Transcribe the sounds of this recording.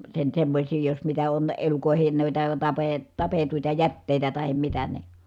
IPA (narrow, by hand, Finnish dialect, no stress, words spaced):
sen semːosʲiː jos mitæ on elukoˑehen nuitɑ tɑpeː tɑpetuitɑ jætːeˑi̯tæ tɑhem mitæ ni